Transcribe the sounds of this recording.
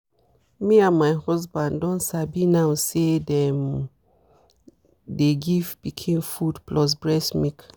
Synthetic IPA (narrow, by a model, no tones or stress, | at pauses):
miãnmajhɔsbãndɔ̃ntsabinawsedɛ̃m | deɡiftb̥ikʰẽmfudplɔs̬bɹɛsmik